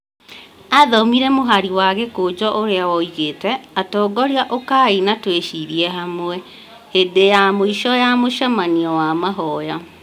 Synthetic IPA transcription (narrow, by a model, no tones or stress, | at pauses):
aðɔmiɾɛmoɦaɾiwaɣekod͡ʑɔʔoɾeaɔiɣetɛatɔːɡɔɾiaʔokainatweʃiɾiɛɦamwɛ | hedejamoiʃɔjamoʃamaniɔwamaɦɔja